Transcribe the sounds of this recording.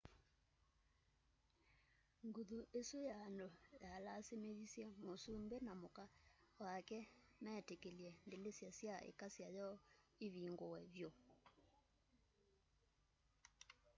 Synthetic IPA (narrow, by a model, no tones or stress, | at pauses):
ŋɡuðuesojaːndojalasemeβisjɛmosumbɛnamokawakɛmɛtekeljɛndelesjasjaḛkasjajɔeβiːŋɡowɛβjo